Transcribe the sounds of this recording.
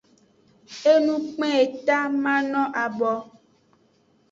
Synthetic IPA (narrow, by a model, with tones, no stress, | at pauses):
e˦nũ˦k͡pɛ̃˦e˨t̪a˦mã˦nɔ̃˦ʔa˨bɔ˨